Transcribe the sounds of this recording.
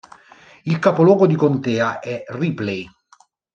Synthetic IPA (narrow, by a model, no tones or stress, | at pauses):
ilkapolwɔːɡod̪ikont̪ɛːaʔɛriplej